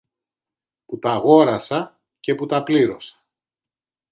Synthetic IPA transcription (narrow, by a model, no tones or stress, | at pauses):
put̪ɐɣo̞ɾɐsɐ | ce̞put̪ɐpliɾo̞sɐ̥